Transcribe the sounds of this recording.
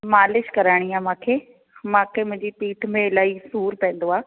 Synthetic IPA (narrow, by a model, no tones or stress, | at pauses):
maːlɪʃkɐɾaːɽ̃iaːmãːkʰeː | mãːkʰeːmʊ̃ɦɪ̃ɲd͡ʑipiːʈʰmẽɪlaːisuːɾpɛ̃ːn̆d̪oaː